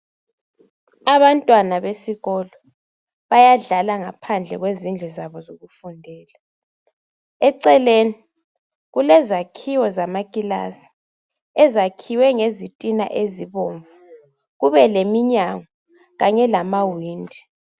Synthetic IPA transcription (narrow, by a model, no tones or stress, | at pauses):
aβantʼwanaβesiɣɔlɔ | βajaɮalaŋapʰand͡ɮʱɛ̰ɣwezind͡ɮʱuzaβɔzoɣufundʱɛːla | ɛǀɛleni | ɣulɛzakʰiwɔzamakʼila̰si̥ | ɛzakʰiwɛŋezitʼina̰ʔeziβoːɱvu | ɣuβɛlemiɲaŋɔ | ɣaɲɛlamawiːndʱi